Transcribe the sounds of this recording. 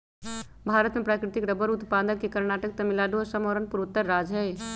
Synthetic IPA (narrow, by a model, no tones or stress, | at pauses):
bʱaːɾət̪mepɾaːkɾɪt̪ikɾəbəɾut̪paːd̪əkːekəɾnaːʈək̚t̪ɐmilaːɖuɔɾsəmoɾənpuɾut̪ːəɾːad͡ʒɦɛ